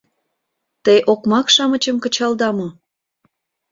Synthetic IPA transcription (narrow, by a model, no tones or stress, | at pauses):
t̪əjʔokmɑkʃɑmət͡ɕəmkə̆t͡ɕɑld̪ɑmo